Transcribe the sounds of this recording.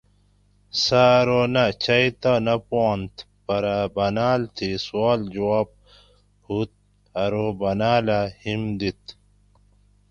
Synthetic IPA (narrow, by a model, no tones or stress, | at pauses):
saɾonat͡ɕɐjt̪anɐpoːnt̪ | pɐɾabɐnaːlt̪ʰiswaːld͡ʑuaːb̚ | hut̪̚ | ɐɾobɐnaːlahimd̪it̪